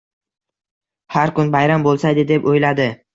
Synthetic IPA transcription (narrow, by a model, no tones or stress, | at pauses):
haɾkʊnbajɾambolˠsajd̪ɪd̪e̞pojlad̪ɪ